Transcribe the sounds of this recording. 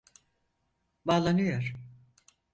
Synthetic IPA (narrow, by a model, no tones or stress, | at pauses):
baːlˠanɯjoɾ̥